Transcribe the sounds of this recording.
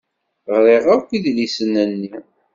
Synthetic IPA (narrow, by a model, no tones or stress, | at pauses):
ʁɾeʁakʷiðlisənːənːi